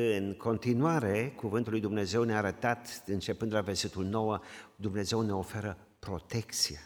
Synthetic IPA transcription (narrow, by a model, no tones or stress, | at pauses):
ɨnkʰo̞nt̪inuaɾe̞kuvɨnt̪ulːujd̪umne̞ze̞wneaːɾət̪at̪ɨnt͡ʃe̞pɨnd̪laverse̞t̪ulno̞wəd̪umne̞ze̞wne̞o̞fe̞ɾə | pɾo̞t̪e̞kt̪sie